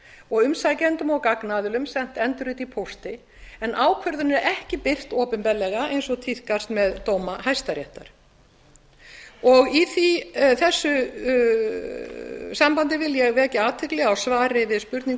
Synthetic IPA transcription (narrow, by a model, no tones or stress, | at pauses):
ɔɣʏmsajcɛnt̪ʏmɔɣkaknaðʏlʏmsɛn̥t̪ɛnt̪ʏɾʏt̪ipʰowst̪ɪ | ɛnʔaːwkʰvœɾðʏnɛɾɾʔɛhcɪpɪr̥t̪ɔːpɪmpɛlːɛɣaejnsɔt̪ʰiθkast̪mɛðt̪owmahajst̪aɾjɛht̪a̰ɾ̥ | ɔɣiθiθɛsːʏ | sampant̪ɪvɪljɛɣvɛːcɪaːt̪ʰɪklɛɣawsvaːɾɪvɪðspʏɾt̪niŋ